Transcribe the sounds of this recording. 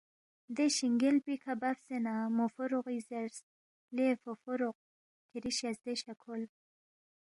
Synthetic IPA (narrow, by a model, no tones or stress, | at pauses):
d̪eʃiŋɡelpikʰabafsenamofoɾoqizeɾs | lefofoɾoq̚ | kʰiɾiʃasd̪eʃakʰol